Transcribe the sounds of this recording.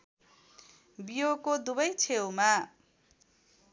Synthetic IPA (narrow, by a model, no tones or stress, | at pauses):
bijokod̪ubʌjt͡sʰewma